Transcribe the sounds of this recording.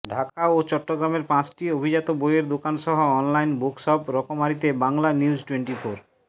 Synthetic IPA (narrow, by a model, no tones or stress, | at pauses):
ɖʱakaot͡ɕɔʈːoɡɾameɾpãt͡ɕʈiobʱid͡ʑat̪obojeɾd̪okanʃɔɦoɔnlajnbokʃɔpɾɔkomaɾit̪ebaŋlaniud͡ʑʈweɳʈifoɾ